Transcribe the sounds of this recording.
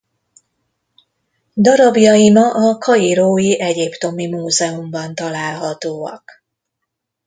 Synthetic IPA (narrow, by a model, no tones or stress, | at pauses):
d̪ɒɾɒbjɒimɒʔɒkɒiɾoːjiʔɛɟipt̪o̞mimuːzɛumbɒnt̪ɒlaːlɦɒt̪oːɒ̰k